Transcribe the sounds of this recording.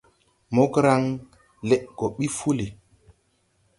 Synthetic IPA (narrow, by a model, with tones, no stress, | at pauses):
mo˦kɾa˦ŋ | le˦ʔɡo˨ɓi˦fu˦li˨